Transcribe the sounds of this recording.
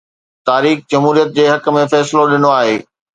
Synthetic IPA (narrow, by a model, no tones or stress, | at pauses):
t̪aːɾiːxd͡ʑɐmɦuːɾijət̪̚d͡ʑeːɦɐkə̆mẽfɛːsɪloɗɪnoaːɦeː